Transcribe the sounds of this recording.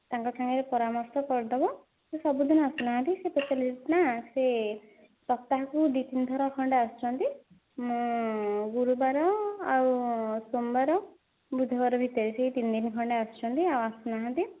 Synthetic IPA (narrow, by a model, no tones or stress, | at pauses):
t̪aŋkɔʈʰaŋeɾepɔɾamɔɾsɔkɔɾd̪ɔbɔ | sesɔbud̪inasunaɦãnt̪isepɔt͡ʃaliit̪nase | sɔp̚t̪aɦakud̪it̪ind̪ʱɔɾɔkʰɔɳɖeast͡ʃʰɔnt̪i | m | ɡuɾubaɾɔawsombaɾɔ | bud̪ʱɔbaɾɔbʱit̪ɔɾiseɦit̪ind̪inkʰɔɳɖeast͡ʃʰɔnt̪iawasunaɦãnt̪i